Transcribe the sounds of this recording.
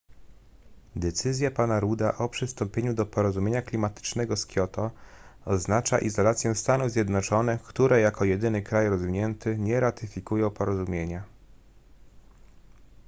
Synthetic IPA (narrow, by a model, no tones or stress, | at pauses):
d̪ɛt̪sɘzʲjapanaɾud̪aʔɔpʂɘst̪ɔmpʲjeɲud̪ɔpɔɾɔzumʲjeɲaklʲimat̪ɘ̥t͡ʂnɛɡɔskʲjɔt̪ɔɔznat͡ʂa̰ʔizɔlat̪sʲjɛst̪anuvzʲjɛd̪nɔt͡ʂɔnɛkt̪uɾɛjakɔjɛd̪ɘnɘkɾajɾɔzvʲiɲɛnt̪ʰɘɲɛɾat̪ɘfʲikujɔ̃w̃pɔɾɔzumʲjeɲa